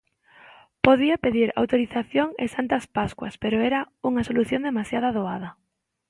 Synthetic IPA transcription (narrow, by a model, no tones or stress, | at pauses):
poðiɐpeðiɾa̰wt̪oɾiθaθjoŋḛsant̪ɐspaskwɐspeɾoɛɾɐ | uŋɐsoluθjond̪emasjaðɐaðoað̞ɐ